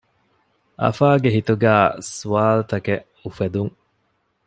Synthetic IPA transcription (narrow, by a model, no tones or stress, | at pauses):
ʔɐ̰faːɡeɦit̪uɡæːsuaːlt̪ɐke | ufed̪uŋ